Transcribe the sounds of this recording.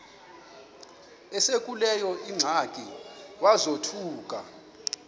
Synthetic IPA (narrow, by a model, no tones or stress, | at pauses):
ɛsek̬ʼulɛjɔʔiŋ͡ǀʱakʼiwazotʰuːk̬ʼa